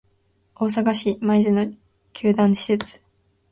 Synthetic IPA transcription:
o̞ːs̬aɡaɕimaizɨno | kʲʰɨːd̪ãñɕi̥set͡sɨ̥

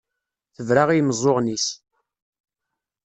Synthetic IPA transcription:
θəvɾaʁijməzˤoʁnis

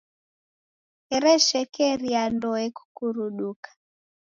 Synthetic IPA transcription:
ɛɾɛʃɛkɛɾiandɔɛku̥kuɾuɗukḁ

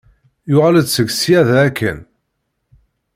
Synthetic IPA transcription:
jʊʁaləd̪t͡sːəɡsiæðæːkʰːə̰n

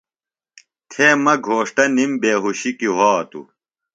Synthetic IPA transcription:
t̪ʰeːmɐɡʱoːʂʈɐnimbeːɦuɕikiɦoːt̪ṵ

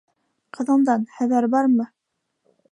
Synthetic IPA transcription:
qʰɤ̆ðɤ̆nd̪ɑnχæðæɾbɑɾmɤ

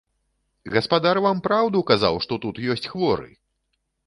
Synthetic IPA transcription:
ɣɐspad̪arvampɾawd̪ukaza̰wʂt̪ɔt̪ut̪jɔsʲt͡sʲxvɔɾɨ̰

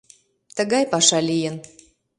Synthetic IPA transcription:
t̪əɣɑjpɑʃɑlijən

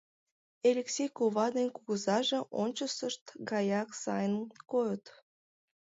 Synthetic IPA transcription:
elʲeksʲejkoβɑd̪enʲkuɣəzɑʒeʔonʲt͡ɕəsəʃt̪ɡɑjɑksɑ̰jənkojət̪

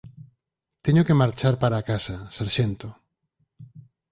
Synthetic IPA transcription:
t̪eɲokemaɾt͡ʃaɾpaɾakasasaɾʃent̪o

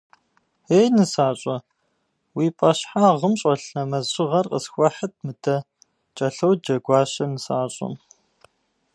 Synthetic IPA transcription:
eːjnɨsaːɕʼɐ | wiːpʼɐɕħaːʁəmɕʼɐɬnɐmɐzɪʁɐrqə̰sxʷɔħət̚ʰmɨdʰɐ | t͡ʃʼɐɬɐwd͡ʒɐɡʷɑːɕɐnɨsaːɕʼɐ̰m

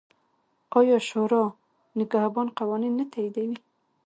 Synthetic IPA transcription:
ɑjɑʃoɾɑ | nɪɡahbɑnqawɑninːat̪ajid̪awi

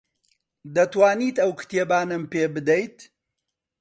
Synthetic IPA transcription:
d̪ɐt̪waːniːt̪ɐwkʰɨ̥t̪eːbaːnɐmpeːbɨd̪ejt̪

